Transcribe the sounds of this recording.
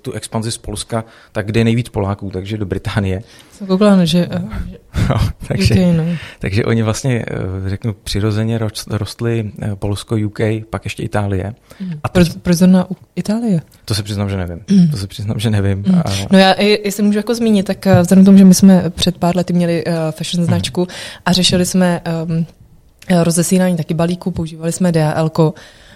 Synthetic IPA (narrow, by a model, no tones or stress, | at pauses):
t̪uʔɛkspanzɪspo̞lska | t̪aɡ̚ɡdɛjɛnɛjviːt͡spo̞laːkuːt̪aɡʒɛdobɾɪt̪aːnɪjɛasɛmkowklanʒɛɛno̰t̪ʰaɡʒɛɛjnot̪aɡʒɛʔo̞̰ɲɪvlast̪ɲɛrɛknupr̥ɪɾo̞zɛɲɛɾoɾost̪lɪpo̞lskojukɛjpakjɛʃcɛʔɪt̪aːlɪjɛ̰ʔat̪opɾozoɾnaʔuʔɪt̪aːlɪjɛ | t̪osɛpr̥ɪznamʒɛnɛvɪmt̪osɛpr̝̥ɪzna̰mʒɛnɛvɪmnojaːʔɪɪsɛmuːʒujako̞zmiːɲɪt̪ːakvzlɛdɛmkt̪omuʒɛmɪsmɛpr̝̥ɛt̪̚paːɾlɛt̪ɪmɲɛlɪʔfɛʃnznat͡ʃkuʔarɛʃɪlɪsmɛ | ɾo̞zɛsinaːɲiːt̪akɪbaliːkupo̞uʒiːvalɪsmɛdɛaʔɛlko